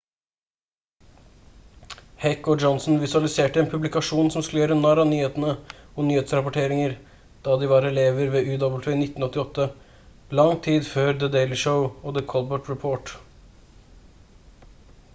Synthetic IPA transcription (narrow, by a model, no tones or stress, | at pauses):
hɛkːɔd͡ʒɔnsn̩ʋɪsʉɑlɪseːʈəɛːnpʰʉblɪkɑʂuːnsɔmskʉləjøːɾənɑɾɑnyːheːt̪ənəɔnyːheːt̪sɾɑpɔʈʰeːɾɪŋəɾ | d̪̥ɑːd̪ɪʋɑɾɛleːʋəɾʋeːʉːd̪ɔbl̩t̪ʋɪnɪt̪ːn̩ɔt̪ːɪɔt̪ːə | lɑŋt̪ʰiːd̪føːɾd̪əd̪eɪlɪʃəʊɔd̪əkʰɔlbəʈɹɛpʰoːʈ